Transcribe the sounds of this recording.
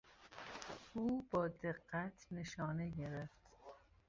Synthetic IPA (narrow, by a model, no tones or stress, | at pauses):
uːbɒːd̪eɢːæt̪ʰne̞ʃɒːneɟe̞ɾeft̪